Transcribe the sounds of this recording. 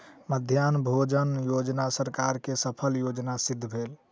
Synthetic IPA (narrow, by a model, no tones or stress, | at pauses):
məd̪ʱjanbʱod͡ʒənjod͡ʒnasəɾkaɾkesəpʰəljod͡ʒnasid̪ʱːbʱel